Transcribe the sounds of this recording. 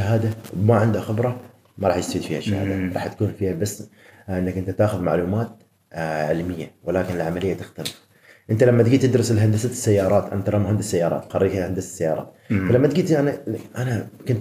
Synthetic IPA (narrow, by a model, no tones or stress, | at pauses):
aɦaːd̪awmaʕɪnd̪axɪbɾˤɑ | mɑɾˤɑːħjɪst̪afiːd̪fiːhaʃa̰ha̰ːd̪aɾˤɑːħt̪ḁkuːnfiːhabas | ʔɪnːakʔɪnt̪at̪aːxʊðmaʕluːmaːt̪̚ | ʕɪlmɪjːawɪlaːkɪnɪlʕamalɪjːat̪ɪxt̪alɪf | ʔɪnt̪alamːat̪ɡiːt̪ːɪd̪ɾɨsɪlɦand̪asasːajːɑːɾˤɑːt̪ʔa̰nat̪ɾlɑmhand̪asːajːɑːɾˤɑ̰ːt̪xɑɾˤiːkhand̪assːajːɑːɾˤɑ̰ːt̪̚falamːat̪ɡiːt̪ʔanaʔanakʊnt̪